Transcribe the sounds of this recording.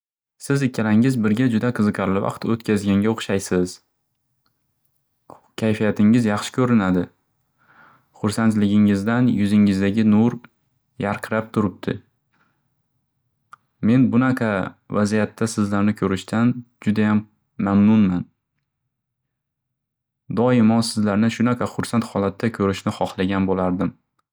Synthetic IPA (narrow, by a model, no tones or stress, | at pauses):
sɪzɪkʲʰːalaŋɪzbɪɾɡʲad͡ʒʊd̪aqʰɨzɨqʰɑɾlɪvɑ̰qt̪ot̪kʲʰazɡʲaŋɡʲaoχʃajsɪz̥ | kʲʰajfijat̪ʰɪŋɪzjɑχʃɪ̥kʲʰɵɾɪnad̪ɪ | χʊɾsant̪lɪɡʲɪŋɪzd̪anjʊzɪŋɪzd̪aɡʲɪnʊɾ | jaɾqʰɨɾap̚t̪ʰʊɾɪp̚t̪ʰɪ̰ | me̞nbʊnaqʰɑvazijat̪ʰːasɪzlaɾnɪkʰɵɾɪʃt̪ʰand͡ʒʊd̪ajamː | amnʊnman | d̪ɒɪmɒnsɪzlaɾnɪʃʊnaqʰɑχʊɾsant̪χɒlat̪ʰːakʲʰɵɾɪʃnɪχɒχlˠaɡʲanbolaɾd̪ɪm